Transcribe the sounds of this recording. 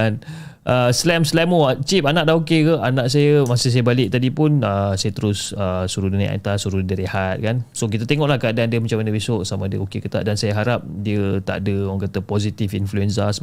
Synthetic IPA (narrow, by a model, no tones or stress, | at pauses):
an | ʔəslɛmslɛmoat͡ʃip̚anaʔdahokekəanãʔs̬ajəmasis̬ajəbalɪʔ̚t̪adipʊnəsajət̪əɾʊsəsuɾuduna̰ʔa̰t̪asuɾudəɾihat̪̚kansok̬it̪at̪eŋɔʔlahkəadadəmat͡ʃamanəbisoʔsamãdəokekət̪a̰ʔdansajəɦaɾap̚diət̪a̰ʔdəɔŋkat̪əpozit̪ifinfluɛnsas